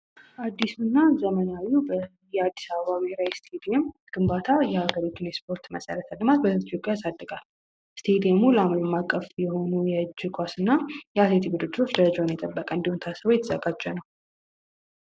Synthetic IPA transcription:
ʔad̪ːisunːazəmənawubə | jɛad̪ːisaβəβaβhɾajist̪ʰed̪iemɡ̥ɨmbat̪ʰajɛaɡəɾit̪ʰunjɛspʰo̞ɾt̪məsʼə̰ɾət̪ʰalːɨmat̪̚bəzt̪ʰjopʼjasad̪ːəɡʼal | st̪ʰed̪iɛmulamləmakʼːəfjɛho̞nujɛɨd͡ʒːɪkʷʼasɨnːajɛat̪let̪ʰiɡud̪ɨd̪ːo̞t͡ʃːd̪əɾəd͡ʒanjɛt̪ʼəbːəkʼəɨnd̪ihunt̪ʰasəβojɛt̪ʰəzəɡad͡ʒːɛnəw

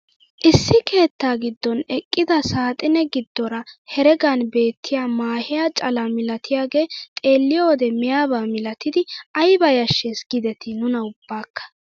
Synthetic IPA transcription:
ʔɪsːɪkʰe̞ːt̪ːaːɡɪd̪ːɔnɛkʼːɪd̪ɐsaːt̪ʼɪnɛɡɪd̪ːɔɾɐhɛɾɛɡanbe̞ːt̪ːɪjaːmaːhɪjaːt͡ʃʼɐlɐmɪlɐt̪ɪjaːɡe̞ːt̪ʼe̞ːlːɪjɔwɔd̪ɛmɪjaːbaːmɪlɐt̪ɪd̪ɪɐjbɐjɐʃːesɡɪd̪ɛt̪ʰɪnʊnɐʊb̥ːaːkːɐ̥

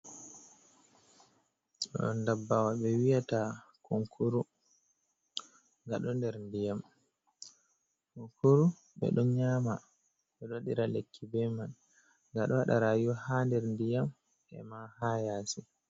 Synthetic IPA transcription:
ɗ̰ɔ̰ndabːawaɓɛwijatakʰoŋkʰuɾu | ŋɡaɗɔndɛɾndijam | koŋkuɾu | ɓɛ̰ɗɔnɲaːma | ɓɛɗɔɗiɾalekːibɛman | ŋɡaɗɔwaɗa̰ɾajuhandɛɾndijam | ʔɛ̰mahajaːsi

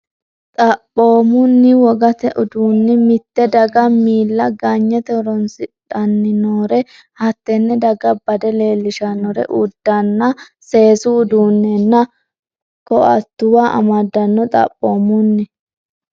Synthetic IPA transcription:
t̪ʼɐpʼːo̞ːmʊnːɪwɔɡɐt̪ɛʔʊd̪uːnːɪmɪt̪ːɛd̪ɐɡɐmiːlːɐɡaɲːɛt̪ɛɾɔnsɪᶑɐnːɪnoːɾɛ | hɐt̪ːɛnːɛd̪ɐɡɐbɐd̪ɛle̞ːlːɪʃɐnːɔɾɛ̰ʔʊd̪ːɐnːɐ | se̞ːsʊːd̪uːnːɛnːɐ | kɔʔɐ̰t̪ːʊwaʔɐ̰mɐd̪ːɐnːɔt̪ʼɐ̰pʼːo̞ːmʊnːɪ

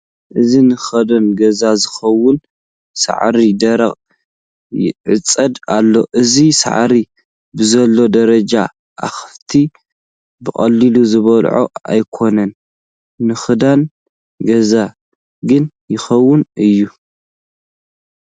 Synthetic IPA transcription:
ʔɨzinɨxɐd̪ɐnɡɐzazɨxɐwːʊn | sa̰ʕɾid̪ɐɾɐχʼ | jɪ̰ʕɨt͡sʼːɐd̪alːo̞ʔɨzisa̰ʕɾi | bɨzɐlːo̞d̪ɐɾɐd͡ʒa | ʔa̰xɨft̪ʰi | bɨχʼɐlːiluzɨβɐlʕo̰a̰jkʰo̞nɐnː | ɨxɨd̪an | ɡɐza | ɡɨn | jɪxɐwːʊnʔɨjːu

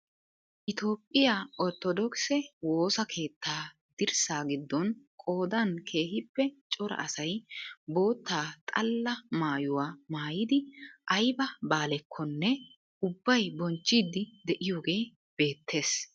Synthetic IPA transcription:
ʔɪt̪o̞ːpʼːɪjaʔɔɾt̪ːɔd̪ɔksɛwo̞ːsɐkʰe̞ːt̪ːaː | d̪̥ɪɾsaːɡɪd̪ːɔnkʼo̞ːd̪ɐnkʰe̞ːhɪpːɛt͡ʃʼɔɾɐ̰ʔɐsɐjbo̞ːt̪ːaːt̪ʼɐlːɐmaːjʊwaːmaːjɪd̪ɪʔɐjbɐbaːlɛkʰːɔnːɛ | ʊbːɐjbɔnt͡ʃːiːd̪ːɪd̪ɛʔɪjo̞ːɡe̞ː | b̥e̞ːt̪ʰːe̞ːs

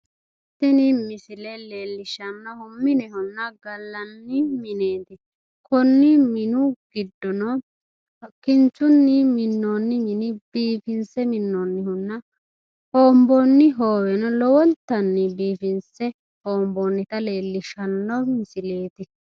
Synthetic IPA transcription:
t̪ːɪnɪmɪsɪlɛle̞ːlːɪʃɐnːɔhʊmːɪnɛhʊnːɐɡɐlːɐnːɪmɪne̞ːt̪ɪ | kɔnːɪmɪnʊɡ̥ɪd̪ːɔnɔ | ɐkːɪnt͡ʃːʊnːɪmɪnːoːnːɪmɪnɪbiːfɪnsɛmɪnːonːɪhʊnːɐ | hoːmbɔnːɪɦoːwɛnɔlɔwɔlt̪ːɐnːɪbiːfɪnsɛ | hoːmboːnːɪt̪ɐle̞ːlːɪʃɐnːɔmɪsɪle̞ːt̪ɪ

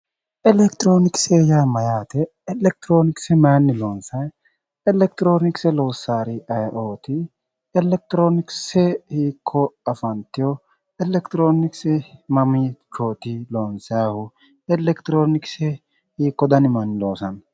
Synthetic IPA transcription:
ʔɛlɛkt̪ɪɾo̞ːnɪkseːjaːmɐjaːt̪ɛ | ɛlɛk̚t̪ɪɾo̞ːnɪksɛmɐɐnːɪlo̞ːnsɐj | ɛlɛkt̪ɪɾo̞ːnɪksɛlo̞ːsːaːɾɪʔɐjʔoːt̪ɪ | ɛlɛk̚t̪ɾo̞ːnɪksɛhiːkʰːɔɐfɐnt̪ɪjɔ | ɛlɛkt̪ɾo̞ːnɪksɛmɐmit͡ʃoːt̪ɪloːnsɐjaːhʊ | ɛlɛkt̪ɪɾo̞ːnɪksɛ | hiːkːɔd̪ɐnɪmɐnːɪlo̞ːsɐn

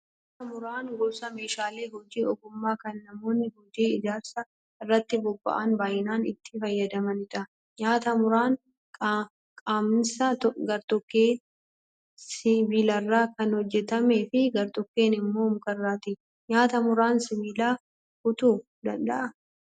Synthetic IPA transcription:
ɲɲɲaːt̪ɐmʊɾaːnɡɔbsɐmeːʃaːle̞ːhɔd͡ʒiːɔɡʊmːaːkɐnːɐmo̞ːnːɪhɔd͡ʒiːɪd͡ʒ̪aːɾsɐ | ɪrːɐt̪ːɪbɔbːɐ̰ʔanbaːjɪnaːnɪt̪ːɪfɐjːɐd̪ɐmɐnɪᶑɐ | ɲaːt̪ɐmʊɾaːŋ | kʼaːmnsɐtɡɐɾt̪ɔkːeː | sɪviːlɐrːaːkɐnhɔd͡ʒːɛt̪ɐme̞ːfɪɡɐɾt̪ɔkːe̞ːnɪmːo̞ːmʊkɐrːaːt̪ɪ | ɲaːt̪ɐmʊɾaːnsɪβiːlaː | hʊt̪uː | d̪ɐ̰ndɐʔɐ

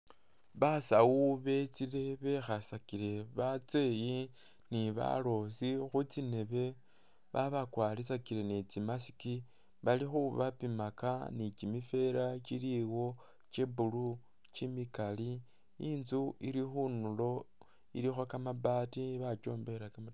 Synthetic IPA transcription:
βasawuβe̞t͡siɾe̞βe̞xasakiɾe̞βat͡se̞ji | niβa̰lo̞sixut͡sine̞βe̞ | βaβakwalisakiɾe̞net͡simasi̥ki | βalixuβapimaka̰nit͡ʃimife̞ɾat͡ʃiliwo̞ | t͡ʃebulu | t͡ʃimikali | inzuiɾixunulo̞ | ḭɾixwakamabatiβat͡ʃo̞ːmbe̞ɾakama

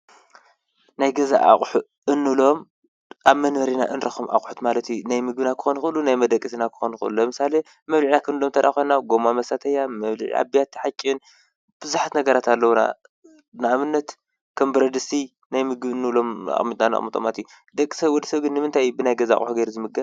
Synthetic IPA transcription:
najɡɐza̰ʔa̰χʼħu | ɨnːɨlo̞m | ʔaβmɐnmɐɾina̰ʔɨnɾɐxomʔa̰χʼħut̪malɐt̪ʰjunajmɨɡ̚bɨnakʰɨ̥xonxɨlːunajmɐd̪ɐkʼisinakʰɨ̥xonxɨɨlumɨsale | mɐβliʕnakʰɨnɨlomt̪ʰɐɾʔa̰xonaɡo̞mamɐsat̪ʰɐjamɐβlḭʕḭa̰bijat̪ːiħat͡ʃʼːin | b̥ɨzuħat̪nɐɡɐɾat̪alːɐwuna̰ | nɨaβɨnːɐt̪ | kʰɐmbɨɾɐd̪ɨsi | najmɨɡbɨnːɨlo̞ma̰ʔʼmit̪ʼnana̰ʔʼmɨt̪ʼo̰ma̰t̪ʰiju | d̪ɐkʼːɨsajwɔd̪ɐsɐβɡɨnːɨmɨnt̪ʰajːubɨnajɡɐzaʔa̰χʼħuɡejɾuzɨmɨɡɐ

